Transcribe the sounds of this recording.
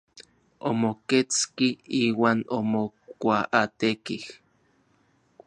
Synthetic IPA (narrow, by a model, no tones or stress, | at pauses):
o̰moket͡skiiːwaːnomokʷaʔat̪ekih